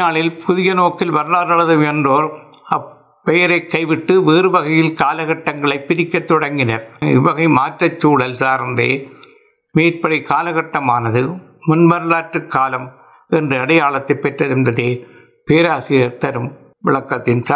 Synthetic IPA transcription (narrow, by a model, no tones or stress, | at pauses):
aːɭɪlpʰʊðɪjɐnoːkːɪlʋɐɾɯlaːɾɐɭɐðɯmɛndroːɾ | ɐ | pːɛjɐɾɐɪkːɐɪʋɪʈːɯʋeːrɯʋɐɣɐjɪlkaːlɐɣɐʈːɐŋɡɐɭɐɪpːɪɾɪkːɐt̪ːɔɽɐŋɡɪnɐɾɪʋɐɣɐɪmaːʈrɐt͡ʃːuːɭɐlsaːɾnd̪eː | miːɾpɐɽiɪkaːlɐɣɐʈːɐmaːnɐðɯ | mʊnʋɐɾɯɭaːʈrɯkːaːlɐm | ɛndrɯɐɽɐjaːɭɐt̪ːɐɪpːɛʈrɐðɪnd̪ɐðeː | peːɾaːsɪɾɐɾt̪ɐɾɯm | ʋɪɭɐkːɐt̪ːɪnsa